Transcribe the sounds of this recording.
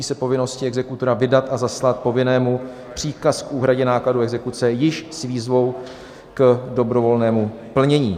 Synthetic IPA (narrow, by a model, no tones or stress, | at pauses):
iːsɛpo̞vɪno̞scɪɛɡzɛkut̪oɾavɪdat̪ʔazaslat̪̚po̞vɪnɛːmu | pr̥iːkaskʔuːɦɾaɟɛnaːkladuɛɡzɛkut͡sɛjɪʃsviːzvo̞w | kdo̞bɾo̞vo̞lnɛːmu | pl̩ɲɛɲiː